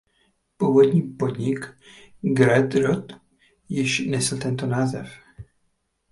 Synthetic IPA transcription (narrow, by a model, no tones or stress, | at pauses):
puːvo̞dɲiːpo̞d̪ɲɪk | ɡɾɛt̪ɾot̪ | jɪʃnɛsl̩t̪ɛnt̪o̞naːzɛ̰f